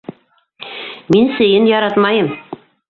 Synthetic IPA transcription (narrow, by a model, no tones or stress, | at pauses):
minsɘ̆jɘnjɑɾɑt̪mɑjɤm